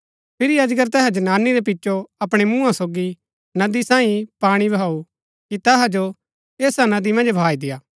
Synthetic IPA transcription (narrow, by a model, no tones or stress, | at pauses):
pʰɪɾiɐd͡ʒɡəɾt̪ɛːɦɛ̃d͡ʒɐnaːnːiɾep̬ɪt͡ʃːʃoɐpɽ̃emũːãsoːɡi | nɐd̪isãːĩpaːɽ̃ibʱaːu | kit̪ɛɦad͡ʒo | eːsanɐd̪imɐ̃nd͡ʒbʱaːid̪ɪjaː